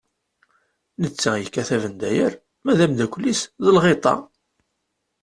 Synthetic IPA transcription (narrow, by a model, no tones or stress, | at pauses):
nət͡sːæjəkːæθævənd̪æjəɾ | mæðæmd̪ækʷlːisðəlʁet̪ˤɑ̰